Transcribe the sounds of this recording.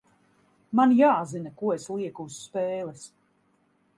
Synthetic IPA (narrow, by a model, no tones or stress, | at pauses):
manjaːzinakuɔeslˠiɛkusːpɛːlˠɛs